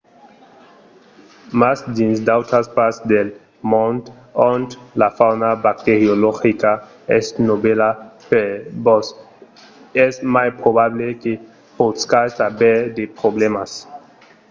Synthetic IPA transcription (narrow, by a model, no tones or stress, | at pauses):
masd̪insd̪awt̪ɾaspaɾsd̪el | mɔ̃nd̪ | ɔnt̪lafawnabak̚t̪eɾjoloxika | ɛsnoβelapebɔs | ɛsmajpɾoβaβleke | poskajsabɛɾd̪epɾoblemas